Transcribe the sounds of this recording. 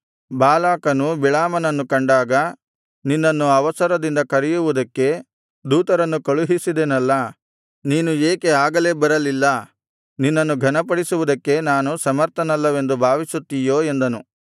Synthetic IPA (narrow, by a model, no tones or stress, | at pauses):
bʱaːlaːkɐnubiɭaːmɐnɐnːukɐɳɖaːɡɐ | ninːɐnːuɐʋɐsɐɾɐd̪ind̪ɐkɐɾijuʋud̪ɐkːe̞ | d̪uːt̪ɐɾɐnːukɐɭuɦisid̪enɐlːɐ | niːnueːke̞aːɡɐle̞ːbɐɾɐlilːɐ | ninːɐnːuɡʱɐnɐpɐɽisuʋud̪ɐkːe̞naːnusɐmɐɾt̪ʰɐnɐlːɐʋe̞nd̪ubʱaːʋisut̪ːijo̞ːe̞nd̪ɐnu